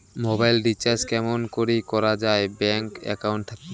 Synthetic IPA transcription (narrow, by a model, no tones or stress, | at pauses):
mobajlɖit͡ɕaɾskɛmonkoɾikɔɾad͡ʑaebɛŋkɛ̰kawɳʈ̚t̪ʰak